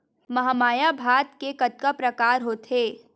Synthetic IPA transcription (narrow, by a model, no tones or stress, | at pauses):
mɐɦamaːjabʱaːt̪kekɐt̪̚kapɾɐkaːɾɦoːt̪ɦeː